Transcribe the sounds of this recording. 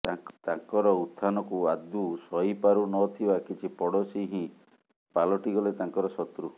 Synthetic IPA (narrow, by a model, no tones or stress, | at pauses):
t̪ãŋkɔɾɔut̪ʰːanɔkuad̪usɔipaɾunɔt̪ʰibakit͡ʃʰipɔɽɔsiɦĩ | palɔʈiɡɔlet̪aŋkɔɾɔsɔt̪ɾu